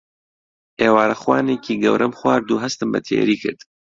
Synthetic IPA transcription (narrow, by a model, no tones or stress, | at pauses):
eːwaːɾɐxwaːneːkiːɡɐ̰wɾʔɐmxwaːɾd̪uːɦɐst̪ɨmbɐ̰t̪ʰḛːɾiːkʰɨ̰ɾd̪̥